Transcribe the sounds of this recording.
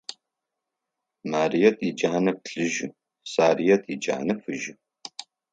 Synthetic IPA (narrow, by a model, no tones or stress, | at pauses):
maːrijɛtʰʼid͡ʒaːnɐp̚ɬɨʒɪ | saːrijɛtʰid͡ʒa̰ːnɐfɨʒɪ